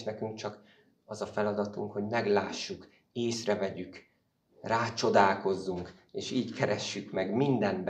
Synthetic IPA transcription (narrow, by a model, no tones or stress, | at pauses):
ʃnɛkyŋk̚t͡ʃɒk | ɒzɒfɛlɒd̪ɒt̪uŋkho̞ɟmɛɡlaːʃːuk | eːsrɛvɛɟyk | raːt͡ʃo̞d̪aːlko̞zːuŋk | eːʃiːckʰɛɾɛʃːykmɛɡmind̪ɛmb